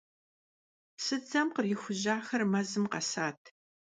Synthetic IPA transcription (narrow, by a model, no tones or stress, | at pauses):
sɨd͡zɐmqərjɪxʷʊʑaːxɐrmɐzɨmqɐ̰saːtʰ